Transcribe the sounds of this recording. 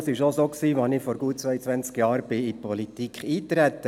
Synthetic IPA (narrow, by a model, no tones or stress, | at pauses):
sɪʃosoːksiːʋɑnɪfɔɾɡuət̚t͡sʋœʏət͡sʋænt͡skjɑːɾb̥ɪipʰɔlitikʰiːt̪ɾæt̪ːə